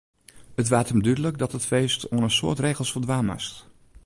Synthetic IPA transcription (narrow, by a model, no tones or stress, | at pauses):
ətʋaːtəmdydələkdɑtətfejstɔnəsʊ̰ːɹtrejχəlˠsfəɹdʋaːma̰st